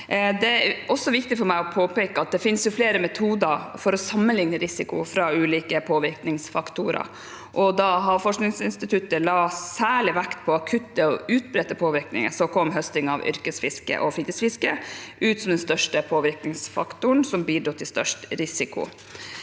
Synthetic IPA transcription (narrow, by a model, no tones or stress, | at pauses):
d̪ɛɔsːɔʋɪkt̪ɪfɔɾmæɪɔpʰoːpeːkəɑt̪̚d̪ɛfɪnsjʊfleːɾəmɛt̪ʰuːd̪əɾfɔɾɔsɑmːənlɪŋnəɾɪsɪkʊ̰fɾɑʉːliːkəpʰoːʋɪɾknɪŋsfɑkt̪uɾə̰ | ʔɔd̪ɑɦɑfɔʂknɪŋsɪnst̪ɪt̪ʰʉt̪ːəlɑːsæːɭɪʋækt̪pʰɔɑkʰʉt̪ːəɔʉːt̪̚bɾɛt̪ːəpʰoːʋɪɾknɪ̰ŋə̰sɔkʰɔmːɦœst̪ɪŋɑ̰ʋʏ̰ɾkəsfɪskə̰ʔɔfiːt̪əsfɪskəʔʉːt̪sɔmd̪ɛnst̪œʂʈəpʰoːʋɪɾknɪŋsfɑ̰kt̪ʊəɳsɔmbiːɖɾut̪ʰːɪlst̪œ̰ʂʈɾɪsɪkʊ̰